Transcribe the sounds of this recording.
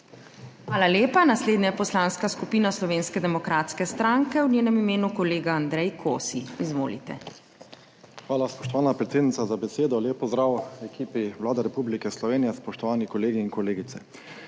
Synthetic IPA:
xʋaːlaleːpanasleːd̪ɲajɛpɔslaːnskaskupiːnaslɔʋeːnskɛd̪ɛmɔkɾaːt̪skɛst̪ɾaŋkɛwnʲeːnɛmimeːnukɔleːɡaand̪ɾɛjkʰoːsiizʋo̰ːlḭt̪ɛ̰ | xʋaːlaspɔʃt̪ɔʋaːnapɾɛt̪eːd̪nit̪azabɛseːd̪ɔljeːp̚pːɔzd̪ɾaːwɛkiːpiʋlaːd̪ɛɾɛpublikɛslɔʋeːnijɛspɔʃt̪ɔʋaːnikɔleːɡiːnkɔleːɡit̪sɛ

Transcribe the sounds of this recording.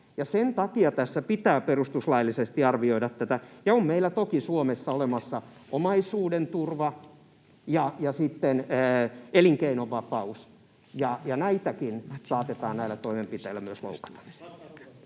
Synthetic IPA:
jɑsent̪ɑkiɑt̪æsːæpit̪æːperust̪uslɑilːisest̪iɑrʋioiɾɑt̪tæt̪æjɑommeilːˑæt̪okisuomesːɑolemɑsːɑ | ʔomɑisuːdent̪urʋɑ | jɑjɑsit̪ːenː | eliŋkeinoʋːɑpɑus | jɑjɑnæit̪ækinsɑːt̪et̪ɑːnnæilːˑæt̪oimempit̪eilːˑæmyøslo̰ukɑ̥lːɑ̥msi̥tː

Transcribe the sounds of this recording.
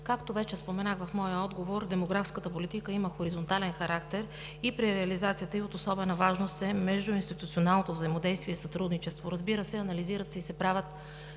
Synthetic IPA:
kakt̪ovɛt͡ʃɛspomɛnaxvɐfmɔjəɔd̪ɡovoɾd̪ɛmoɡɾafskət̪əpolit̪ikəiməxoɾizont̪alɛnxɐɾakt̪ɛɾ | ipɾiɾɛɐlizat̪sijət̪əiot̪osɔbɛnɐvaʒnost̪ɛmɛʒd̪ʊinst̪it̪ut̪sionalˠnot̪ovzəimod̪ɛjst̪viɛisɐt̪ɾud̪nit͡ʃɛst̪voɾɐzbiɾəsɛɐnɐliziɾət̪sɛisɛpɾavʲət̪

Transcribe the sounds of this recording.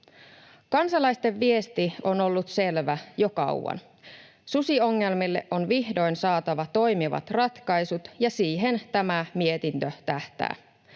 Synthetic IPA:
kɑnsɑlɑjst̪e̞ʋːie̞st̪io̞no̞lːut̪se̞lʋæjo̞kɑ̰uwɑ̰n | susio̞ŋːe̞lmilːe̞̰ʔo̞nʋihdo̞jnsɑːt̪ɑʋɑt̪o̞jmiʋɑ̰t̪rɑt̪kɑjsut̪jɑsiːɦe̞nt̪æmæmie̞t̪int̪øt̪æht̪æ̰ː

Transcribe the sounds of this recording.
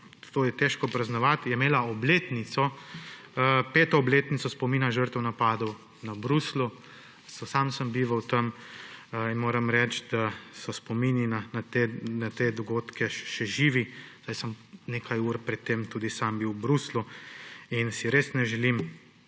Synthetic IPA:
t̪oːjɛt̪ɛʃkɔpɾɐznɔʋat̪jɛmeːlaɔbleːt̪nit̪sɔ | peːt̪ɔɔbleːt̪nit̪sɔspɔmiːnaʒəɾt̪əwnapaːd̪ɔw | nabɾuslu | sɔsamsəmbiːʋɐwt̪ɐm | inmoːɾɐmɾɛt͡ʃd̪asɔspɔmininanat̪enat̪eːd̪ɔɡoːt̪kʰɛʃɛʒiːʋiz̥dajsəmneːkʰajuːɾpɾɛt̪ːemt̪uːd̪isambiwbɾuslu | insiɾeːsnɛʒɛlim

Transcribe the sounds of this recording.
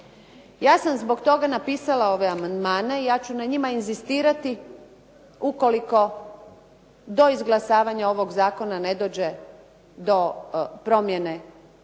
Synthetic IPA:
jaːsamzbo̞ɡt̪o̞ɡanapiːsalao̞ʋeamand̪maːne̞ijaːt͡ɕunaɲimainzist̪iːɾat̪i | uko̞liko̞ | d̪o̞izɡlˠasaːʋaɲao̞ʋo̞ɡzaːko̞nane̞d̪o̞ːd͡ʑe | d̪o̞pɾo̞mjene̞

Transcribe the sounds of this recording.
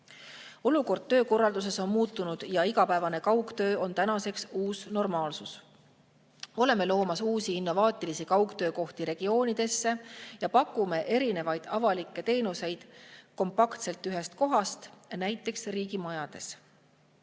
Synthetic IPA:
o̞luko̞rd̪̥̚t̪ø̞ːko̞rːɑld̪us̬e̞so̞nmuːt̪ːˑunud̪̥jɑiɡ̥ɑpæevɑne̞kɑwkt̪ø̞ːo̞nt̪ænɑse̞ksuːsno̞rmɑːlsus | o̞le̞me̞lo̞ːmɑsuːsiinːo̞vɑːt̪ˑilisikɑwkt̪ø̞ːko̞ht̪iɾe̞ɡ̥io̞ːnid̪̥e̞sːe̞jɑpɑkːˑume̞ʔe̞ɾine̞vɑjd̪̥ɑvɑlikːˑe̞t̪e̞ːnuse̞jd̪̥ko̞mpɑkt̪se̞lt̪yɦe̞st̪ko̞ɦɑst̪næjt̪ːˑe̞ksriːɡ̥imɑjɑd̪̥e̞s

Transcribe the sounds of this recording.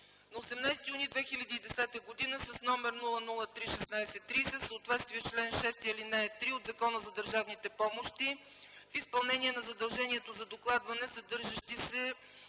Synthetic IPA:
nɐosɛmnajsɛ̥t̪ijunid̪vɛxilʲɐd̪iːd̪ɛsɛt̪əɡod̪inəsɐsnɔmɛɾnulˠənulˠət̪ɾiʃɛsnajsɛt̪ːɾisɛfsəoːt̪vɛt̪st̪viɛt͡ʃlɛnʃɛst̪iɛlinɛɛt̪ɾiod̪zɐkɔnəzɐd̪əɾʒavnit̪ɛpɔmoʃt̪i | fispɐlˠnɛniɛnɐzɐd̪ɐlˠʒɛniɛt̪ozɐd̪oklˠad̪vɐnɛsɐd̪ɤɾʒɐʃt̪isɛ

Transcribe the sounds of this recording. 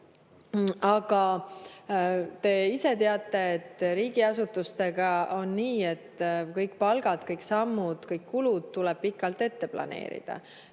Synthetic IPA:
ɑɡ̥ɑ | t̪e̞iset̪e̞ɑt̪ˑːe̞et̪ːˑɾiːɡ̥iɑsut̪ːust̪e̞ɡ̥ɑo̞nniːe̞t̪ːkɤjkˑpɑlɡ̥ɑd̪̥kɤjksɑmːud̪̥kɤjkːulud̪̥̚t̪ulɛb̥̚pikːˑɑlt̪e̞t̪ːe̞plɑ̰ne̞̰ːɾḭd̪̥ɑ̰

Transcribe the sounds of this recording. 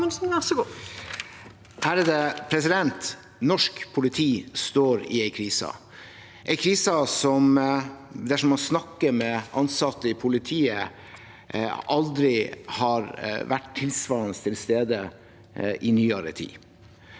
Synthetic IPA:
sn̩ɛsɡu | hæːɾæd̪ɛpʰɾɛsɪd̪ɛnt̪ | nɔʂkpʰʊlɪt̪ʰiːst̪oːɾɪ̰æɪkʰɾiːsɑ̰ | ʔæɪkʰɾiːsɑsɔm | d̪æʂɔmɑnsnɑkːəɾmɛʔɑnsɑt̪ːəɪpʰʊlɪt̪ʰiːə | ʔɑld̪ɾɪhɑɾʋæʈt̪ʰːɪlsʋɑːɾnəst̪ʰɪlst̪eːd̪ə | ʔɪnyːɑɾə̰t̪ʰḭː

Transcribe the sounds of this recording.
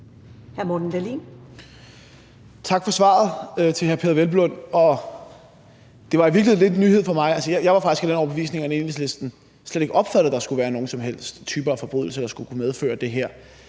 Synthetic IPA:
hæɐmɔd̥n̩d̥ælḭːn | t͡sʰɑ̈ɡ̥fɒ̽sʋɑ̰̈ð̞̩ˠt͡sʰe̝lɦæɐpʰeðˠɐʋelb̥lɔ̽n̰ɒ̽ | d̥e̝ʋɑ̈iʋiɐɡliele̝̥nyːhe̝ð̞̰ˠfɒ̽mɑ̈ɪælsəjajɑ̈ɪʋɑ̈fɑ̈ɡ̥isɡ̥æd̥enɒʊb̥e̝ʋḭːsne̝ŋæne̝nʋisle̝sd̥n̩ | sleɾ̥e̝ɡ̥ʔɒ̽b̥fæɾ̥ð̩ˠd̥ɑ̈sɡ̥uʋæːɐno̝ːŋn̩sɒ̽mɦel̰sd̥t͡sʰyːb̥ɐæfɒ̽b̥ʁy̰ðˠl̩sɐd̥ɑ̈sɡ̥ukʰumeð̞ˠfø̰ːɐd̥e̝ɦæɐ̰

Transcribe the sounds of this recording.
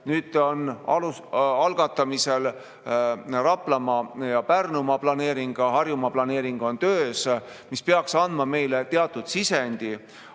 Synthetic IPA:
nyːd̪onɑluɑlɡ̥ɑt̪ːˑɑmisel | rɑplɑmɑjɑpærnumɑplɑne̞ːɾiŋɡ̥ɑɦɑrjumɑplɑne̞ːɾiŋɡ̥o̞nt̪øːs | mispeɑksɑnd̪̥mɑme̞jlet̪e̞ɑt̪ːˑud̪̥sisenʲd̪̥i

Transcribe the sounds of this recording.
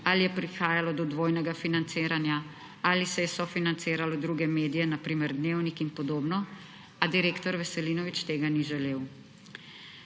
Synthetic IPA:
alijɛpɾixaːjalɔd̪ɔd̪ʋoːjnɛɡafinant̪seːɾanja | alisɛjɛsɔfinant̪seːɾalɔd̪ɾuːɡɛmeːd̪ijɛnapɾiːmɛɾd̪neːwnikinpɔd̪oːbnɔ | ad̪iɾeːkt̪ɔɾʋɛsɛliːnɔʋit͡ʃt̪eːɡaniʒɛleːw

